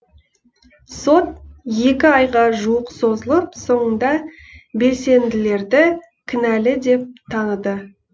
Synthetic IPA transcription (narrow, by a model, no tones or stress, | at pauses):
so̞t̪̚je̞kʲɪɑjʁɑʒuwəqso̞zəlˠəpso̞ɴənd̪ɑ | be̞se̞nd̪ɪle̞ɾd̪ɪ | kʲʰɪnælɪd̪e̞p̚t̪ʰɑnəd̪ə